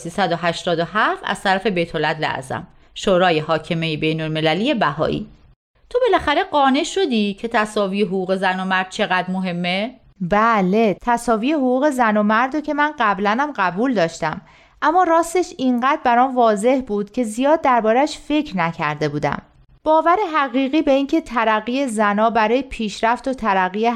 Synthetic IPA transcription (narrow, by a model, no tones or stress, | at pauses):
siːsæd̪oɦæʃt̪ɒːd̪oɦæffæ̰z̥t̪ʰæɾæfe̞be̞jt̪ʰolːætd̪læ̰æ̰zæ̰m | ʃoːɾɒːje̞hɒːcʰemejebe̞jnolme̞lælije̞bæhɒ̰ːʔḭː | t̪ʰo̞be̞læxæɾe̞ɢɒːne̞ʃo̞d̪iːcʰe̞t̪ʰæsɒːvijeɦoɣuːɣe̞zæno̞mæɾd̪̚t͡ʃʰe̞ɣæd̪moɦe̞mːe | bæle̞t̪ʰæsɒːviːjehoɣuːɣe̞zænomæɾd̪ocʰe̞mænɢæblænæmɢæbuːld̪ɒːʃt̪æm | ʔæmːɒːɾɒːst̪e̞ʃiŋɢæd̪̚bæɾɒːnvɒːze̞hbuːd̪̥cʰe̞zijɒːd̪ːæɾbɒːɾæʃfe̞cʰɾnæcʰæ̰ɾd̪e̞buːd̪æ̰m | b̥ɒːvæɾe̞ɦæɣiːɣiːbe̞iːncʰe̞t̪ʰæɾæɣije̞zænɒːbæɾɒːjepʰiːʃɾæft̪ot̪ʰæɾæɣie